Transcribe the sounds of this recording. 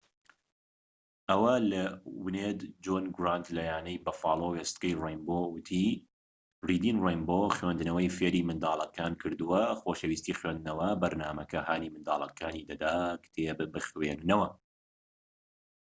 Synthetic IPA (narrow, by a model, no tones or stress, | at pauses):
ʔɐwɐlɐwɨneːd̪d͡ʒoːnɡɾant̪lajaːnɐjbɐfɑ̰ːlˠowest̪̚kɐjrejmboːwɨt̪ʰi | riːd̪iːnrejmboxwend̪ɨnɐwɐjfeːɾiːmɨnd̪aːlˠɐkaːnkʰɨɾd̪ɨwɐxoːʃɐwiːst̪iːxweːnd̪nɐwɐbɐɾnaːmɐkɐhaːniːmɨnd̪a̰ːlˠɐ̰kʰaːniːd̪ɐd̪aːkt̪ʰebɨbɨxweːnd̪nɐwɐ